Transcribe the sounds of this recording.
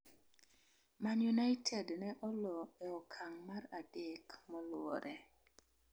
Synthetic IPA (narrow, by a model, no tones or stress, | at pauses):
manjunajtʰɛdnɛʔɔlɔɛɔkʰaŋmaradekmɔlɔ̰ɾʔɛ